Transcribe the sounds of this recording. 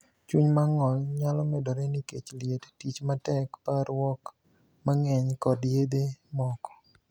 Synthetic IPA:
t͡ʃuɲmaŋɔlɲalɔmɛdɔɾɛniket͡ʃlɪjettit͡ʃmatɛkpaɾwɔk | maŋɛɲkɔdjed̪emɔkɔ̥

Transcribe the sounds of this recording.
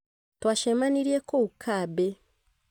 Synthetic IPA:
twaːʃemaniɾiekoukʰabe

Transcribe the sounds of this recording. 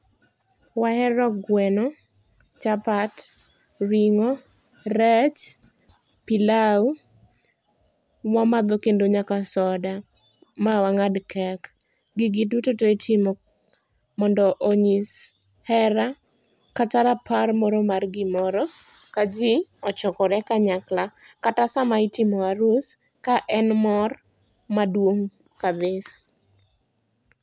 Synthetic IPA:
wahɛɾɔɡwɛnɔ | t͡ʃapat | ɾiŋɔ | ɾɛt͡ʃ | pilau | wamad̪ɔkendoɲakasɔda | mawaŋadkʰɛk | ɡɪɡɪdutotoetʰɪmɔ | mɔndɔʔoɲis | hɛɾa | kataɾaparmɔɾɔmarɡɪmɔɾɔkad͡ʒiɔt͡ʃɔkɔɾɛkaɲaklakatasamaitɪmɔaɾus | kaʔɛnmɔr | madwoŋ | kabesḁ

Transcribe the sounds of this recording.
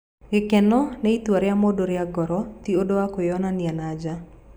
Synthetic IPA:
ɡɪkɛnɔnɛit̪waɾɪamodoɾɪaɡɔɾɔt̪iodoakojɔnanɪanad͡ʒa

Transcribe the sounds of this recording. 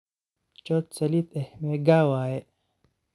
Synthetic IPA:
t͡ʃot̪sɐlit̪ehmeɡaːwaːje

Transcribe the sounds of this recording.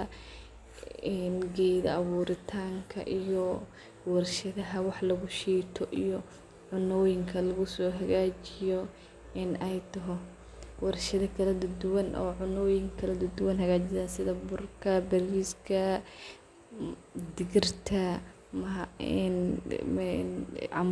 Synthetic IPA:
ɐ | ɛnɡɛːðɐɐβuːɾɪt̪ʰaːŋkʰɐ̰ʔijɔ | wɐrʃɐðɐɦɐwɑħlɐɣʊʃiːt̪ʰɔʔijɔ | ʕʊnɔːjɪŋkʰɐlɐɣʊsɔːɦɐɣaːt͡ʃɪjɔ | ʔɪnɛjt̪ʰɐɦɔ | wɑrʃɐðɐkʰɐlɐd̪ɐd̪ʊwɐnʔɔ̰ːʕʊnɔːjɪŋkʰɐlɐd̪ʊd̪ʊwɐnɦɐɣaːt͡ʃɪsaːnsɪðɐbʊrkʰɐbɐriːskʰɐ | d̪ɪɣɪrt̪ʰɐ | mɐ̰n | ʕɑm

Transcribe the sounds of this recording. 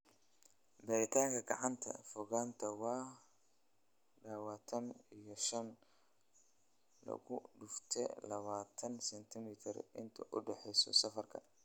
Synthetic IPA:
bɐːɾɪt̪ʰaːŋkʰɐɡɐʕɑnt̪ʰɐ̰fɔɣaːnt̪ʰɐwɑː | ɖaːwaːt̪ʰɐnijɔʃɐn | lɐ̰ɣʊɖʊft̪ʰɛ̰lɐβaːt̪ʰɐnsɛnt̪ʰɪmɪt̪ʰɪrɪnt̪ʰɐʔʊɖɛħɛjsɔ̰sɐfɐrkʰɐ̰

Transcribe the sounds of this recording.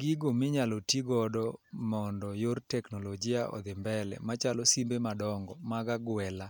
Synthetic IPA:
ɡɪɡomɪɲalɔtiɡɔdɔmɔndɔjortɛknɔlod͡ʒɪaʔɔ̰d̪ɪmbɛlɛ̰mat͡ʃalɔsimbemadɔŋɡɔmaɡaɡwɛla

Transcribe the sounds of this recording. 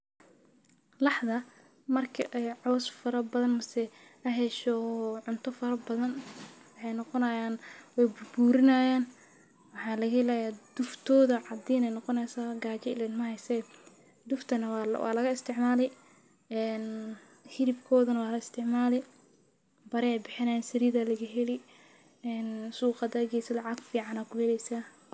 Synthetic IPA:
lɑħðɐ | mɐrkʰɐʔɛjʕɔːsfɐɾɐbɐðɐnmɐsɛ | ɐɦɛʃɔʕʊnt̪ʰɔfɐɾɐbɐðɐnwɑħɑjnɔqɔnɐjaːnwɛjbʊbuːɾɪnajaːn | wɑħɑːlɐɣɐɛlaːjaːd̪ʊft̪ʰɔːðɐʕɑd̪iːnɛjnɔqɔnɛjsaːɡaːt͡ʃɛɪlɛnmɐhɛjsɛ | d̪ʊft̪ʰɐnɐwwʔɑ̰ːlɐɣɐɪst̪ʰɪʕmaːlɛj | ɛːn | hɪɾɪbkʰɔːðɐnɐwɑːlɐɪst̪ʰɪʕmaːlɛ | bɐɾɛɛjbɪħɪnɐjaːnsɪɾiːðalɐɣɐɦɛlɪ | ɛːnsuːqɑd̪ɐːɡɛːsɐlɑʕɑɡfiːʕɑnaːkʰʊhɛlɛjsaː

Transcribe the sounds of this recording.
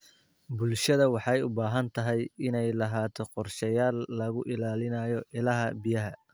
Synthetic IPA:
bʊlʃɐðɐwɑħɑjʊbaːɦɐnt̪ʰɐɦɛjɪnɛjlɐɦaːt̪ʰɔqɔrʃɛjaːlːɐɣʊʔɪlaːlɪnɐjɔʔɪlɐɦɐbɪjɐɦɐ

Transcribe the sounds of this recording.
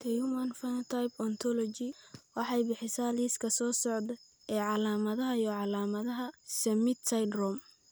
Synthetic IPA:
t̪ʰɐjumɐnfɐnt̪ʰajbɔnt̪ʰɔlɔt͡ʃɪwɑħɑjbɪħɪsaːliːskʰɐsɔːsɔʕd̪ɐ | ɛːʕɑlaːmɐðɐɦɐjɔʕɑlaːmɐðɐɦɐsɐmɪt̪sɐjdrɔm

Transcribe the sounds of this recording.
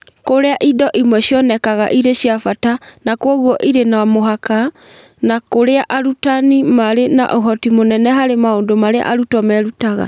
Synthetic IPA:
koɾeaʔidɔʔimwɛɕjɔnɛkaɣa̰ʔiɾeɕjafatanakwɔɣwɔʔiɾenaamoɦaka | nakoɾeaʔaɾutanimaɾena̰ʔoɦɔtimonɛnɛɦaɾemaondomaɾea̰ʔaɾutɔmɛɾutaɣa̰

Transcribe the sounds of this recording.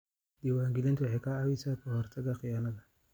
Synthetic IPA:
d̪̥iwaːŋɡɪlɪnt̪wɑħɛjkʰɐʕawisaːkʰɔhɔrt̪ʰɐɣɐχɪjaːnɐðɐ

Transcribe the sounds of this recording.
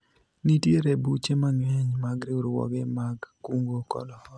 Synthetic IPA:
nitjeɾebut͡ʃemaŋwɛɲmaɡɾɪʊɾwɔ̰ɡɛmaɡːuŋɡokɔ̰lɔɔ

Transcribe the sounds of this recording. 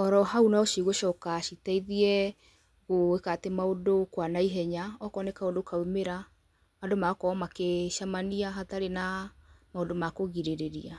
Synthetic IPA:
ɔɾɔhaunaoʃiɣoʃɔkaʃitaiðiɛ | ɣoekatemaodokwanaiɦɛɲaɔkɔnekaodokaumeɾa | adomakɔmakeʃamaniaɦataɾenamaodomakoɣiɾeɾeɾia

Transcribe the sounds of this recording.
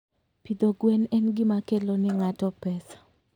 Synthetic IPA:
pid̪oɡwɛnɛnɡimakelonɪŋatɔpɛsḁ

